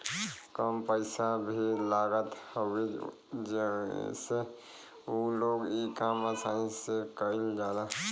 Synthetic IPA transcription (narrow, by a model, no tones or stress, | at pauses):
kəmpəɪsabʱilaɡət̪hoɡi | d͡ʒ̰se | uloːɡikaməsaːĩsekəɪld͡ʒaːla